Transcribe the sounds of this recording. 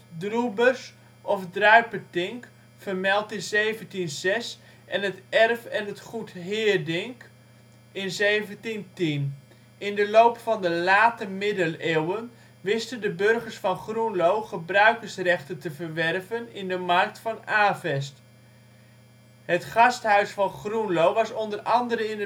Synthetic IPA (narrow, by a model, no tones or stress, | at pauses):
drubərs | ʔɔfdrœɥpətɪŋk | fərmɛlˠtɪnzejvəntinz̥ɛs | ʔɛnətɛrfɛnətχutɦɪːrdɪŋk | ɪnzejvəntintin | ɪndəlowpfɑndəlaːtəmɪdəleːwən | ʋɪstəndəbørχəɹsfɑnχrunlowχəbrœɥkərsrɛχtəntəvərʋɛrvənɪndəmɑrk̚tfɑnaːvɛst | hətχɑsthœɥsfɑnχrunlowʋɑsɔndərʔɑndəɾəɪnə